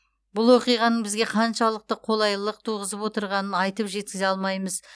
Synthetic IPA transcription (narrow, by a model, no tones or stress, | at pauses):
bʊlˠwo̞qijʁɑnəɴbɪzɡʲe̞qʰɑnʃɑlˠəq̚t̪əqʰo̞lˠɑjlˠəq̚t̪ʰuʁəzəpwo̞t̪əɾʁɑnənɑjt̪əpʒe̞t̪̚kʲɪzeɑlˠmɑjməz